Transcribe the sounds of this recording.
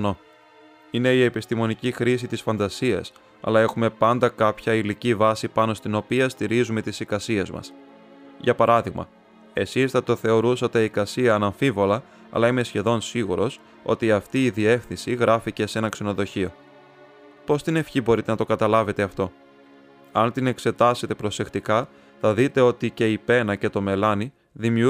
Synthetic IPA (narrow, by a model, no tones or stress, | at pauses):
no | ine̞ie̞pist̪imo̞nicixɾisit̪isfɐnd̪ɐsiɐ̰s | ɐ̰lɐe̞xume̞pɐnd̪ɐkɐpçɐilicivɐsipɐno̞st̪ino̞piɐst̪iɾizume̞t̪isikɐsie̞zmɐ̰s | ʝɐpɐɾɐðiɣmɐ̰ | e̞sisθɐt̪o̞θe̞o̞ɾusɐt̪eikɐsiɐːnɐɱfivo̞lɐ | ɐ̰lɐime̞sçe̞ðo̞nsiɣuɾo̞s | o̞̰t̪iɐft̪iːðie̞fθinsiɣɾɐfice̞se̞nɐkse̞no̞ðo̞çio̞ | po̞st̪ine̞fçibo̞ɾit̪enɐt̪okɐt̪ɐlɐve̞t̪e̞ɐft̪o̞ | ɐnt̪ine̞kse̞t̪ɐse̞t̪e̞pɾo̞se̞kt̪ikɐ | θɐðit̪e̞o̞t̪ice̞ipe̞nɐce̞t̪o̞me̞lɐni | ðimiu